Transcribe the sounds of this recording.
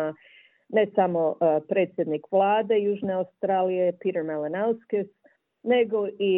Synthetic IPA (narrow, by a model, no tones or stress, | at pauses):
a | ne̞samo̞pɾe̞ːt̪sʲjed̪nikʋlˠaːd̪e̞juːʒne̞aust̪ɾaːlije̞piɾeɾmelenalskes | ne̞ɡo̞ʔi